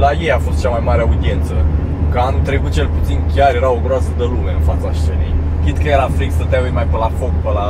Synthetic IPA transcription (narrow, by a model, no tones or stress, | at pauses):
lajejafo̞st̪t͡ʃamajmaɾeaud̪ie̞nt̪sə | kəanut̪ɾe̞kut̪̚t͡ʃe̞lput̪sinkʲarje̞ɾao̞ɡɾoasəd̪əlume̞ɨnfat̪saʃt͡ʃe̞nḛj | kʲid̪kəjeɾafɾiksət̪aujmajpəlafo̞kpəla